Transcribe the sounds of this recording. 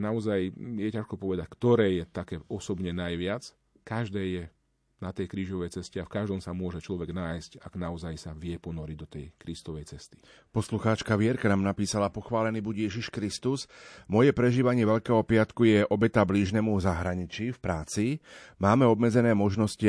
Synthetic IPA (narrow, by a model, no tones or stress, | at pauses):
naɔzajjɛcaʃkɔpɔʋɛd̪ackt̪ɔɾɛːjɛt̪akɛːɔsɔbɲɛnajʋɪat͡s | kaʒd̪ɛːjɛ | nat̪ɛjkɾiːʒɔʋɛjt͡sɛscɛafkaʒd̪ɔmsamʊɔʒɛt͡ʃlɔʋɛɡnaːjscaɡ̥naɔzajsaʋɪɛpɔnɔɾid̪ɔt̪ɛjkɾist̪ɔʋɛjt͡sɛst̪i̥ | pɔsluxaːt͡ʃkaʋɪɛɾkanaːmnapiːsalapɔxʋaːlɛniːbuɟjɛʒiʃkɾist̪usmɔjɛpɾɛʒiːʋaɲɪɛʋɛʎkɛːɦɔpɪat̪kujɛʔɔbɛt̪abliːʒnɛːmuzaɦɾaɲit͡ʃiːfpɾaːt͡simaːmɛɔbmɛd͡zɛnɛːmɔʒnɔsci